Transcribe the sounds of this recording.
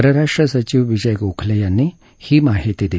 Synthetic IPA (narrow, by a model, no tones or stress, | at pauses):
ɾɐɾaʂʈɾəsɐt͡ʃiʋʋid͡ʒɐjkukʰlejanːi | himaːɦit̪id̪i